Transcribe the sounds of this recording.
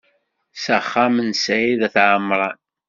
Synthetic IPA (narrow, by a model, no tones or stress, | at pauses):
səχːamənsæjiðæθʕəmːɾˤɑn